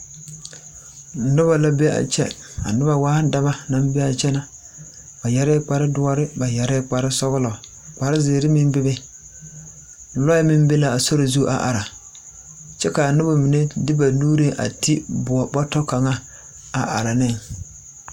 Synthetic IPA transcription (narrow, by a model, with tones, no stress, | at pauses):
nʊ˦ba˨la˦be˦a̰˨t͡ʃɛ̰˦˨ | a̰˨nʊ˦ba˨waː˦da˦ma˦na˨m˦bɛ˦a˨t͡ʃɛ˦na˨ | ba˨jɛ˨ɾɛ˦k͡pa˨ɾɪ˦dʊ˦ɔ˦ɾɪ˦ba˨jɛ˨ɾɛ˦k͡pa˨ɾɪ˦sɔ˦ɣʊ˦lɔ˨ | k͡pa˨ɾɪ˦zɪː˨ɾɪ˦mɪ˦mbɪ˦bɪ˦˨ | lɔ˦jɛ˦mɪ˦m˦be˦la˨a˨so˦ɾo˨zu˦ʔa̰˨ʔa̰˨ɾa˨ | t͡ʃɛ˦ka˨a˨nʊ˦ba˨mi˨ne˦dɪ˦ba˨nuː˦ɾe˦ʔa̰˨ti˦bʊ˨ɔ˨bɔ˦tɔ˦ka˨ŋa˦ | a̰˨ʔa̰˨ɾa˨nɪ˦˨ŋ